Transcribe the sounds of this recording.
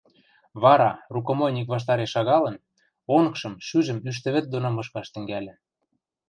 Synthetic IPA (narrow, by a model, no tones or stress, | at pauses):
βɑɾɑrukomojnʲikβɑʃ̬t̪ɑɾeʃɑɣɑlɤ̆n | onɤ̆kʃɤ̆mʃyʒə̆myʃ̬t̪ɘ̆βĕt̪̚d̪onɑmɤʃkɑʃt̪ɘ̆ŋɡælʲɘ̆